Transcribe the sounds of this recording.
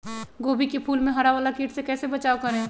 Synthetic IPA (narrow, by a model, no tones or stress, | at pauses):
ɡoːbʱikepʰuːlmẽɦɐɾaʋaːlakiːʈsekɛːsebɐt͡ʃaːokɐɾẽː